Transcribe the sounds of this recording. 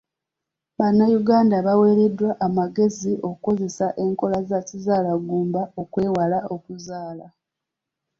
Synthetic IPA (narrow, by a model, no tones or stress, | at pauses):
βanːajuɡaːndaβawe̞ːɾe̞dwaʔːmaɡe̞ziʔo̞kuko̞ze̞saʔe̞ŋko̞lazacizaːlaɡuːmbao̞kwe̞ːwalao̞kuzaːla